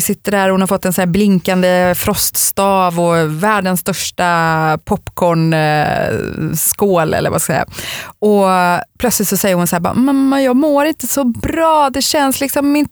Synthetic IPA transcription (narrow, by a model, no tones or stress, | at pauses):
sɪt̪ːəɖæɾɔhʊnhaɾfɔt̪ːɛnsɔnæːblɪŋkand̪əfɾɔst̪st̪ɑːvɔvæːɖənst̪œʂʈapʰɔpːkʰɔɳ | skoːlɛ̰lːə̰ɾva̰skasɛ̰jːa̰ɔpʰlœt̪slɪt̪sɔsɛjːəɾhʊnsæːbɑ̰ːʔmːɛnmɛnjɑːɡmoːɾɪnt̪əsɔbɾɑːd̪ɛɕɛnslɪksɔmːɪn